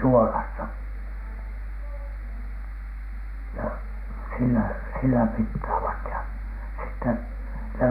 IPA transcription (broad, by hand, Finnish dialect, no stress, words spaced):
suolɑstɑ jɑ silːæ silːæ mitːɑːʋɑt jɑ sitːen ne